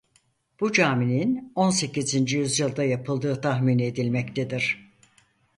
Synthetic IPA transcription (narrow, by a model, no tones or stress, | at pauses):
b̥ud͡ʒaːminino̞nse̞cizind͡ʒijyzjɯlˠd̪ajapʰɯlˠd̪ɯːt̪ʰaɦmine̞d̪ilʲmɛct̪ʰed̪iɾ̝̥